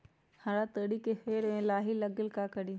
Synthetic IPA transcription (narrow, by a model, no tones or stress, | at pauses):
haɽat̪əɽikexeːɾẽːlaːɦilɐɡɪlkaːkəɗiː